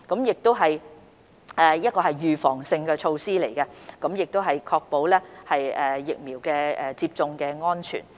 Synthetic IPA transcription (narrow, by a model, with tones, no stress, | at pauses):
kɐ˨˥mjɪ˨k̚t̪o˥wɦɐ˨j | ʔɛː˨jɐ˥t̚kɔː˧ɦɐ˨jːyː˨fɔː˨˩ŋsɪ˧ŋkɛː˧t͡ʃʰo˧wsiː˥le˨˩jkɛ˧kɐ˨˥mjɪ˨k̚t̪o˥wɦɐ˨jkʰɔː˧k̚po˨˥wlɛː˥hɐ˨jɛː˨ɪ˨k̚miː˨˩wkɛː˧ɛː˨t͡siː˧p̚t͡sʊ˧ŋkɛː˧ŋɔː˥nt͡ʃʰy̰˨˩n